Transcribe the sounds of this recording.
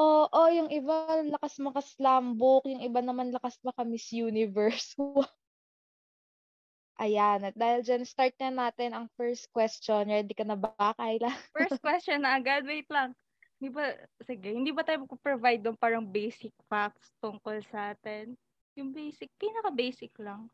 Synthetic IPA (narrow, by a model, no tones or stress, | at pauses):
ʔoʔojʊŋʔɪbalɐkasmɐkɐslaːmbokjʊŋʔɪbanɐmanlɐkasmɐkɐmɪsjuːnɪvɛɹsu | ʔɐjan̚d̪aːhɪld͡ʒanst̪aɹt̪̚ɲɐnaːt̪ɛnɐŋfɛɹst̪̚kwɛst͡ʃonɹɛːd̪ɪkɐnɐbaːkɐjlɐŋfɛɹs̚kwɛst͡ʃonːɐɐɡad̪̚wejt̪lɐŋ | hɪnd̪iːbɐsɪɡɛhɪnd̪iːbɐt̪aːjʊmɐɡ̚popɹovajd̪ʊŋpaːɾɐŋbejsɪk̚fak̚st̪ʊŋkolsaːt̪ɛn | jʊŋbejsɪk̚piːnɐkɐbejsɪklɐŋ